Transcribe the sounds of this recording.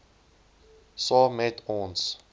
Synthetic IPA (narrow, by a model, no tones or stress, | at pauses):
sɔmɛtʰɔ̃ns